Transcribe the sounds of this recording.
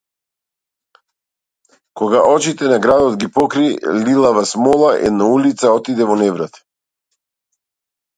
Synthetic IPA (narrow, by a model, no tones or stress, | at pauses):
kɔɡaʔɔt͡ʃit̪ɛnaɡɾad̪ɔd̪ɡipɔkɾililˠavasmɔlˠaʔɛ̰d̪naulit̪saɔt̪id̪ɛvɔnɛvɾat̪